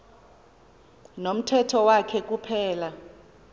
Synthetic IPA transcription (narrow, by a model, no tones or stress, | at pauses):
nom̩tʰɛtʰɔwakʰɛk̬ʼupʰɛːla